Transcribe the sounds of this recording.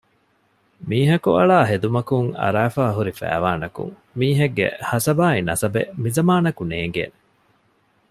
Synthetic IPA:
miːɦɐkuɐɭaːɦed̪umɐkuŋɐ̰ɾaːfaːɦuɾifæ̰ːʋaːnɐkṵŋ | miːɦɐɡːḛhɐsɐbaːinɐsɐbḛmizɐmaːnɐkuneːŋ̆ɡḛːne

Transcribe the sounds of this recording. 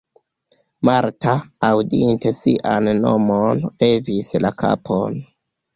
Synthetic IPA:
maɾtaːwdinte̞siʔanːo̞monle̞vislakʰa̰pʰon

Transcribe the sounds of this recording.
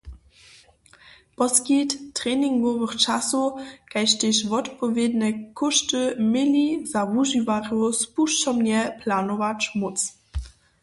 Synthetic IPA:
pɔskitːʁɛːniŋɡɔvəxt͡ʃasukajʃteʃvɔtpɔvjednɛkʰɔʃtəmɪlizavuʒivaʁospuʃt͡ʃɔmnɛpʰlanɔvat͡ʃmut͡s

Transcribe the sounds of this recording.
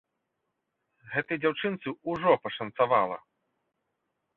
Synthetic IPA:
ɣɛt̪ɨjd͡zʲawt͡ʂɨnt̪sɨuʐɔpɐʂɐnsava̰lˠɐ̰

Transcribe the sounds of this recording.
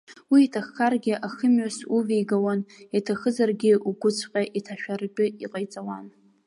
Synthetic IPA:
wiːtʰaχːarɡʲɪʔaχəmɥasuvejɡawanatʰaχəzarɡʲɪuɡʷʊt͡sʷʰqʲʼaʔitʰaʃᶣart͡pʲʼɪiqʼajt͡sʼawan

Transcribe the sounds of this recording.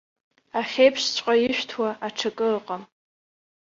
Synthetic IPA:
aχʲejpʰʂt͡ɕʷʰʼqʼajɪʃᶣtʰwaʔaʈ͡ʂʰakʼɨqʼam

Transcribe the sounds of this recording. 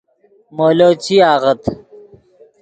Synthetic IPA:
moːloːt͡ɕʰiaːʁɐt̪

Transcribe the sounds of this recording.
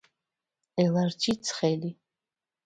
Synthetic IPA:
elard͡ʒʰit͡sʰχeli

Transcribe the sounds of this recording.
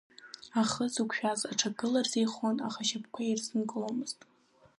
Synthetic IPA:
aχəzukʷʰʼʃᶣazaʈ͡ʂʰaɡʼɨlarzejχonaχaʃap̚ʰkʷʰairsɨnkʼlomɨztʼ

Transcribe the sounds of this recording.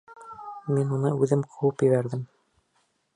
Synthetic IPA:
minunɤʉðɘmqʰɤ̆wɤpjɘ̆βæɾðɘm

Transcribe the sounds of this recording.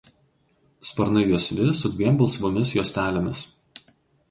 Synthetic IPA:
spɐɾnɐɪjuɔsʲʋʲɪsʊd̪ʲʋʲiɛmbɐlˠˑsʋomʲɪsjuːsʲt̪ʲæːlʲomʲɪs

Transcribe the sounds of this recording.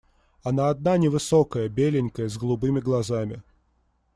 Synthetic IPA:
ɐnaːd̪nanʲɪvɨsokəjəbʲelʲɪnʲkəjəzɡlˠʊbɨmʲɪɡlˠɐzamʲɪ

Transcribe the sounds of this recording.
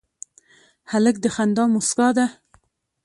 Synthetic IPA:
halək̚d̪əxand̪ɑmuskɑd̪a

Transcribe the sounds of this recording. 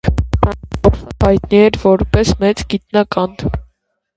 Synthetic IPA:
hɑjt̪niɛɾvɔɾpɛsmɛt͡sɡit̪̚nɑkɑn

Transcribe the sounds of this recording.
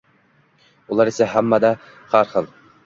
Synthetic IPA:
ulˠɑɾɪsɛɦæmːɑd̪ɑ | χɑɾχəlˠ

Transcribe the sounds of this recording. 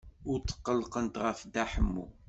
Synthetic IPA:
ʊɾt͡sːə̥qːəlːqənt̪ʁəfd̪æħəmːṵ

